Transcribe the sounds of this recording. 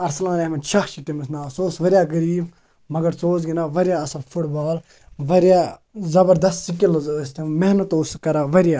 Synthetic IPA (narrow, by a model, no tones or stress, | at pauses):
ɐɾsɐlãːnemɐnt͡ʃʰɐxt͡ʃʰiʈimɐsnaːsoːsʋɐɾʲijaːɡɐɾiːb | mɐɡɐɾt͡soːz̬ɡinaːʋɐɾʲjaːɐsɐlfʰuʈbaːl | ʋɐɾjaːzɐbɐɾd̪ɐst̪sikilst̪imɛɦnɐt̪ouskɐɾaːʋɐɾjaː